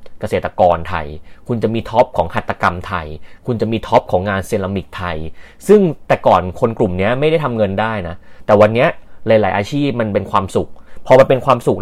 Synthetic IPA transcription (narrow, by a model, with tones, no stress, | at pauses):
ka˧seː˨˩t̪ːa˧kɔː˧nt̪ʰa̰˧jkʰu˧nt͡ɕa˨˩ʔmiː˧t̪ʰɔ˦˥p̚kʰɔː˩˦ŋha˨˩t̪ːa˧ka˧mt̪ʰa̰˧jkʰu˧nt͡ɕa˨˩miː˧t̪ʰɔ˦˥p̚kʰɔː˩˦ŋːaː˧nsiː˧nla˧mi˨˩k̚t̪ʰa˧j | sɯ˥˩ŋt̪ɛː˨˩kɔː˨˩nkʰo˧nklu˨˩mni˦˥ɐma˥˩jɾa˥˩jt̪ʰa˧mŋɤ˧ndaː˥˩jna˦˥ʔt̪ɛː˨˩wa˧nːi˦˥ɐla˨˦jlaː˩˦jʔaː˧t͡ɕʰiː˥˩p̚ma˧npe˧nkʰwaː˧msu˨˩k̚pʰɔː˧ba˧˩pe˧nkʰwaː˧msu˨˩k̚